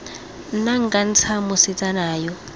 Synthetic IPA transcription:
naŋɡan̩t͡sʰamusit͡sʼanaːjɔ

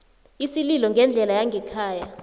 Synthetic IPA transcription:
isililɔŋɡʱɛnd͡ɮʱɛlajaŋɡʱɛkʰaːja

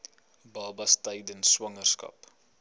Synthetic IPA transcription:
bɑːbɐstɛjdənswɐŋərskɐ̰p

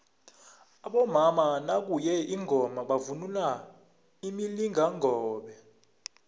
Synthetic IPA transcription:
aɓɔmamanak̬ujɛiŋʱɔmaɓavunula | imiliŋʱaŋʱɔːɓɛ

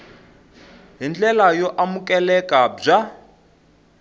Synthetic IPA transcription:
ɦind͡ɮɛlajɔʔamukʼɛlɛkʼab͡ʐa

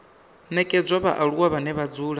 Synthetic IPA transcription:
nɛkʼɛd͡zʷaβa̰ʔaɺuwaβanɛβad͡zuːɺa

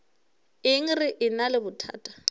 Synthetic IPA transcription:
ɪŋ̩rɪʔɪnalɪbʊtʰa̰ːtʼḁ

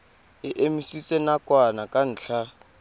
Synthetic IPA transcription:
ɪʔemisit͡sʼenakʼwanakʼan̩ːt͡ɬʰa

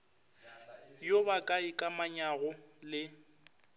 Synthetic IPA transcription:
jobakʼaɪkʼamaɲaɣʊlɪ

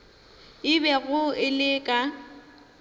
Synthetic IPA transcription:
ɪbɛɣʊɪlɪkʼa

